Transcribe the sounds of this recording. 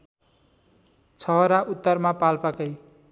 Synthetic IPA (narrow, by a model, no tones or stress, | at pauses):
t͡sʰʌɦʌɾaʔut̪ːʌrmapalpakʌj